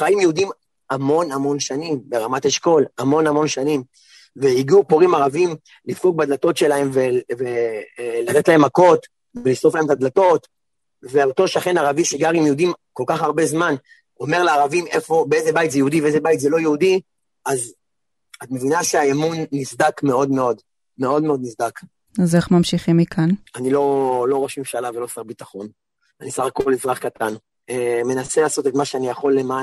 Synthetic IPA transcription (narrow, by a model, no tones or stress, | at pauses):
χaimjɛudim | amo̞namo̞nʃanimbe̞ʁamatheʃko̞lamo̞namo̞nʃanim | veiɡiupoʁimaʁavim | lifuɡ̚bad̪lato̞tʃe̞lahe̞mvevelat̪etlae̞mako̞t̪ | velisoflaemt̪ad̪lato̞t | veot̪o̞ʃaχenaʁaviʃiɡaʁimjɛudimko̞lkaχaʁbe̞zman | o̞me̞ʁleaːʁavimʔefo̞beezebajtzejeudiveezebajt̪zelo̞jeudi | az | at̪me̞vinaʃeaemunːisd̪akme̞o̞dme̞o̞d | me̞o̞dme̞o̞d̪nisd̪ak | aze̞χmamʃiχimikʰananilo̞lo̞ʁoʃimʃalavelosaʁbitaχo̞n | anisaχakolizʁaχkat̪an | eme̞naselaːso̞tetmaʃeanijaχo̞lːema